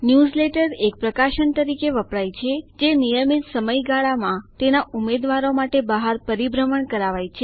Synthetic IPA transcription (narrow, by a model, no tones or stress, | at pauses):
njuzleʈəɾek̚pɾəkaʃəɳt̪əɾikeʋəpɭajt͡ʃʰed͡ʒenijəmit̪səməjɡaɭamãt̪enaumed̪ʋaɾomaʈebəɦaɾpəɾibɾəməɳkəɾaʋajt͡ʃʰe